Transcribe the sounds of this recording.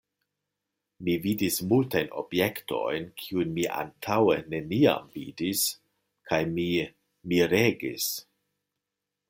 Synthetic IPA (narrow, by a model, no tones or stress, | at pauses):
mividismultajno̞̰bje̞kto̞̰jnkʰiunmiʔa̰ntʰawene̞nia̰mvḭdis | kʰajmi | miɾeɡḭs